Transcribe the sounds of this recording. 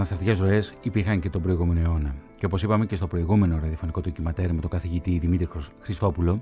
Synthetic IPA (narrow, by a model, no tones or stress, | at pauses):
nɐst̪ɐft̪ice̞zɾo̞e̞sipiɾxɐɲce̞t̪o̞bɾo̞iɣume̞no̞eo̞nɐceo̞po̞sipɐme̞ce̞st̪o̞pɾo̞iɣume̞no̞ɾɐðiɐfo̞niko̞t̪ocimɐt̪eɾimet̪o̞ŋɡɐθiʝit̪iðimit̪ɾixɾist̪o̞pulo̞